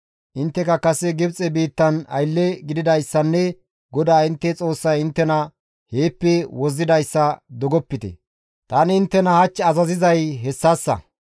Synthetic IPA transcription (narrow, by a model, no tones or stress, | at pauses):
ʔɪnt̪ːɛkɐkɐsɛɡɪbt͡sʼɛbiːt̪ːɐnɐ̰jlːɛɡɪd̪ɪd̪ɐjsːɐnːɛ | ɡɔd̪aːɪnt̪ːɛt͡sʼo̞ːsːɐjɪnt̪ːɛnɐ | heːpːɛwɔzːɪd̪ɐjsːɐd̪ɔɡɔpːɪt̪ɛ̰ | t̪ɐnɪɪnt̪ːɛnɐhɐt͡ʃːɛɐzɐzɪzɐjɦɛsːaːsːɐ̰